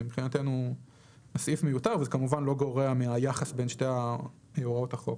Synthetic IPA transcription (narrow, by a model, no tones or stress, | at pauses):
impχinate̞nu | nasifmejutaʁvezekamuvanlo̞ɡo̞ʁeamiajaχasbe̞nʃtea | euʁotaχo̞k